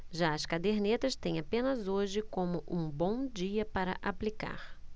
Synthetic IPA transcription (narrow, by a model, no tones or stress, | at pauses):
ʒaɐskad̪eɾnet̪ɐst̪ẽj̃apẽnɐzoʒɪkõmʊʔũbõw̃d͡ʒiɐpaɾɐ̰ʔaplika̰ɾ